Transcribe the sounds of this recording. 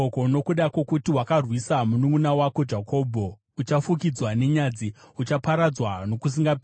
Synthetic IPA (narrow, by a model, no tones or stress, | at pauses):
okono̞kuɗako̞kutiwakarwisamunuŋɡunawako̞d͡ʒakʰo̞ːbʱo̞ | ut͡ʃafuk̬id͡zwane̞ɲad͡ziut͡ʃapaɾad͡zwano̞kus̬iŋɡap